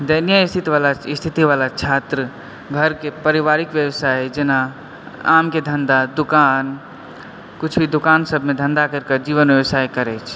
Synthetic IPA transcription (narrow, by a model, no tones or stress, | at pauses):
d̪ənijəist̪ʰit̪ʋalaist̪ʰit̪iʋalat͡ʃʰat̪ɾə | ɡʱəɾkepəɾibaɾikʋjəwsajd͡ʒena | a̰mked̪ʱənd̪ad̪ukan | kut͡ʃʰbʱid̪ukansəbʱmed̪ʱə̃nd̪akəɾkəd͡ʒiʋənʋjəwsajkəɾɛt͡ʃʰ